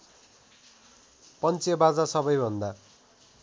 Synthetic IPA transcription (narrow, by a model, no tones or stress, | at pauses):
pʌnt͡sebad͡zasʌbʌjbʱʌnd̪a